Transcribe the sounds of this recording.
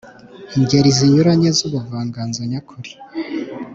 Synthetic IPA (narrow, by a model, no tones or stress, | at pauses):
iɲɟeɾiziɲuɾaɲezuβuvaːŋɡaːnzaɲakʰuɾi̥